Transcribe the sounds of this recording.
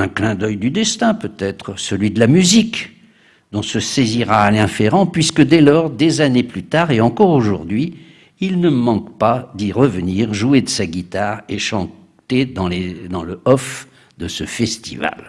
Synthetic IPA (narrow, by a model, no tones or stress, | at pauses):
ɛ̃klɛ̃d̪œjd̪yd̪ɛst̪ɛ̃pøt̪ɛt̪χəsəlɥid̪əlamyzik | d̪̥ɔ̃səseziʁaːlɛ̃feʁɑ̃pɥiskəd̪ɛlɔʁd̪ezaneplyt̪aʁeɑ̃kɔʁoʒṵʁd̪ɥiː | lnəmɑ̃kpad̪iʁəvəniʁʒued̪əsaɡʲit̪aʁeʃɑ̃ | t̪ed̪ɑ̃led̪ɑ̃ləɔf | d̪əsəfɛst̪ḭva̰l